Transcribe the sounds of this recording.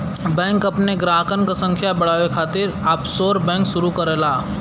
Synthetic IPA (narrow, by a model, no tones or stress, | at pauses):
bɛ̃ːŋkɐpneɡɾaːɦkənkasə̃ŋkʰjabɐɽ̤aːʋekʰaːt̪ɪɾaːpsoːɾbɛ̃ːŋkʃʊɾukɐɾelaː